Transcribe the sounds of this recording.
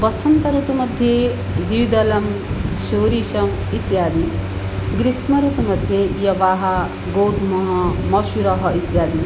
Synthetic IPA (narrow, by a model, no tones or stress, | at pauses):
pʌsɐnt̪ɐɾut̪umɐd̪ʱje | d̪iʋd̪ɐlɐmʃoːɾiːʃɐm | it̪jaːd̪i | ɡɾismɐɾut̪umɐd̪ʱjejɐʋaːɦɐ | ɡowd̪ʰʱmɐɦɐmɐʃuɾɐɦɐit̪jaːd̪i